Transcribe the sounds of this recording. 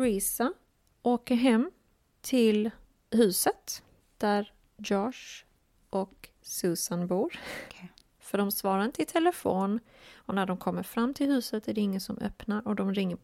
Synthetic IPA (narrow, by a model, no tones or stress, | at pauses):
ɾisa | oːkəɾɦɛmː | t̪ʰɪl | hʉ̟ːsət̪ | d̪̥æɾ | jɑʂ | ʔɔk | sʉːsanbuːɾ | fœɖɔmsvɑːɾaɾɪnt̪əɪt̪ʰɛləfoːn | ɔnæɖɔmkʰɔmːəɾfɾamːt̪ʰɪlhʉ̟ːsət̪æɖɛɪŋːənsɔmʔœ̰pnaɾɔd̪ɔmɾɪŋːə